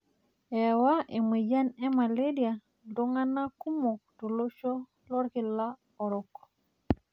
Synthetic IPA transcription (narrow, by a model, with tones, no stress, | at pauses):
e˨wa˦ʔi˨mi˨d͡ʒa˦ne˦ma˨le˦di˨a˨ | do˦ŋa˦na˦ku˦mo˨k̚to˨lo˦ʃo˦ | lo˦ɾki˨la˦ | o˨ɾo˨kː